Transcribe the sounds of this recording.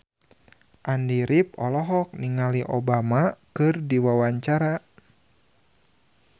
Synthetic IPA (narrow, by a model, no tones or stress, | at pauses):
ʔandiɾipɔlɔɦɔk̚niŋaliʔobamakɨrdiwawaɲt͡ʃaɾa